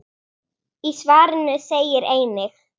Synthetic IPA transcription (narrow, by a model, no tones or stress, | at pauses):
isvaːɾənəsejɛɾejnəx